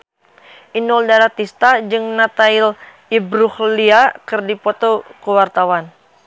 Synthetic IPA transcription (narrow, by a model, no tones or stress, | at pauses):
ʔinɔldaɾat̪ist̪ad͡ʒɨŋnat̪ail | ibɾuhliakɨrdipɔt̪okuwart̪awan